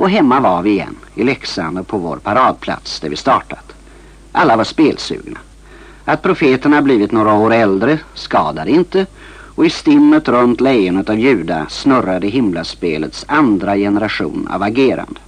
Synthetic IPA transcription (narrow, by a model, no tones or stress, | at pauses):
ɔɦɛmːavaɾvɪɪjɛ̰nːɪlɛksand̪əɾpʰɔvo̰ːɾpʰaɾɑːd̪̚pʰla̰t̪sd̪ɛɾvɪst̪ɑːʈat̪ | ʔalːavaʂpeːlsʉ̰ːɡna̰ | at̪̚pʰɾʊfeːt̪əɳahabliːvɪt̪noːɾaoːɾɛld̪ɾəskɑːd̪ad̪əɪnt̪ə | ɔɪst̪ɪmːət̪ɾɵnt̪lɛjʊnət̪avjʉ̟ːd̪a̰snɵɾad̪əɦɪmlaspeːlət̪sand̪ɾajɛnəɾaɧṵːna̰vaɡeːɾa̰nd̪ə